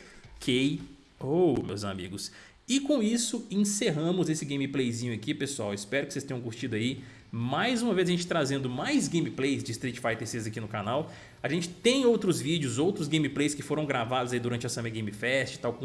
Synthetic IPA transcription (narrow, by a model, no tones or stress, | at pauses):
kʰej | owmḛwza̰mḭɡʊs | ɪkõisʊẽseɦɐ̃mʊzesɪɡẽj̃miplejzĩɲʊɐkipesuawɪspɛɾʊkɪ̥sest̪ẽɲɐ̃kuɾt͡ʃid̪ʊai | majzũmɐvezɐʒẽnt͡ʃɪ̥t̪ɾazẽnd̪ʊmajzɡẽj̃miplejzd͡ʒɪːst̪ɾit͡ʃɪ̥fajt̪eɾsezɐkinʊkanaw | aʒẽnt͡ʃɪ̥t̪ẽj̃owt̪ɾʊzvid͡ʒʊzowt̪ɾʊzɡẽj̃miplejskɪfoɾɐ̃w̃ɡɾavad̪ʊzaid̪ʊɾɐ̃nt͡ʃɪɐsɐ̃meɡẽj̃mifɛst͡ʃɪ̥t̪awk